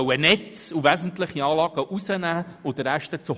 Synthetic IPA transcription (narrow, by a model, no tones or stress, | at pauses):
ənɛtt͡suvæzən̩tlɪχiɑːlɑːɡ̥əʔusənæːʊd̥̪əɾæʃtət͡su